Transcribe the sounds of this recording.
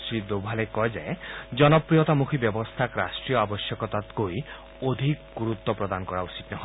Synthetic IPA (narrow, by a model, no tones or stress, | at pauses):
sid̪obʱalekɔɦed͡ʒaed͡ʒɔnɔpɾijɔt̪amukʰibjɔbɔst̪ʰakɾa̰sʈɾijɔabɔsjɔkɔt̪at̪koi | od̪ʱikɡuɾut̪ːɔpɾɔd̪anɔkɔɾausit̪nɔɦ